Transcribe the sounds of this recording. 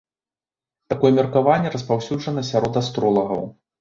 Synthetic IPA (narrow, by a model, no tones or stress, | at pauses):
t̪akɔjɛmʲɛrkavanʲːɛɾɐspawsʲud͡ʐʐɐnɐsʲaɾɔd̪ast̪ɾɔlˠɐɣɐ̰w